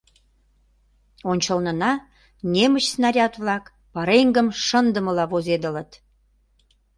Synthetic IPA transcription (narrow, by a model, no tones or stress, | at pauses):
onʲt͡ɕəlnə̆nɑ | nemət͡ɕsnɑɾʲɑt̪vlɑk | pɑɾeŋɡəmʃə̆nd̪ə̆məlɑβozed̪ə̆lə̆t̪